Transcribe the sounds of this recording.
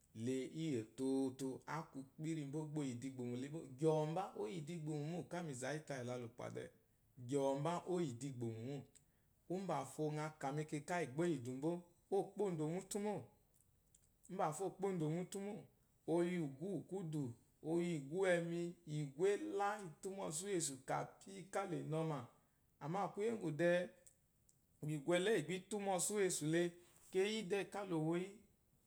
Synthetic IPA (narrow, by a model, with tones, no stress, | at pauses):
le˧i˦je˨to˧to˧a˦ku˧k͡pi˦ɾi˧m̩˦bo˦ɡ͡bo˧˦ji˨di˧ɡ͡bo˨mu˨le˨˦bo˦ɡɔ˨m̩˦ba˦ʔo˦ji˨di˧ɡ͡bo˨mu˨mo˦˨ka˦mi˨za˨˦i˦ta˧i˨la˧lo˨k͡pa̰˨dɛ̰˧˨ | ɡɔ˨m̩˦ba˦ʔo˦ji˨di˧ɡ͡bo˨mu˨mo˦˨ | u˦m̩˦ba˨fo˧ŋa˧ka˨mi˧ke˧ka˦i˨ɡ͡bo˦i˨du˨m̩˦bo˦ | o˦˨k͡po˦˨n̩˦do˨mu˦tu˦mo˦˨˦ | ba˨fo˦˨k͡po˦˨n̩˦do˨mu˦tu˦mo˦˨ | o˧ji˧u˨ɡu˦u˨ku˦du˨ | o˧ji˧˨ɡu˦ɛ˧mi˧i˨ɡʷe˦la˦i˧tu˦mɔ˧s̬u˦je˧˨s̬u˨ka˨pʰi˦i˧ka˦le˨nɔ˧ma˨ | a˨ma˧˨ku˦je˦ŋ˦ɡu˨dɛ˧˨ | ɡ͡bi˨ɡʷɛ˧lɛ˦i˨ɡ͡bi˦tu˦mɔ˧su˦e˧su˨le˧ | ke˧˦ji˦dɛ˧i˨ka˦lo˨wo˧ji˦